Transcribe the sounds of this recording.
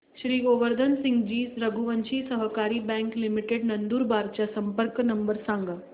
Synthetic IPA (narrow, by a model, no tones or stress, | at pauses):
ʃɾiːɡoʋəɾd̪ʱənsɪ̃ŋɡd͡ʑiːsɾəɡuʋənt͡ɕiːsəɦkaːɾiːbɛ̃ŋklimiʈeɖnɐnd̪uːɾbaːɾt͡ɕasəmpəɾknɐmbəɾsãŋɡa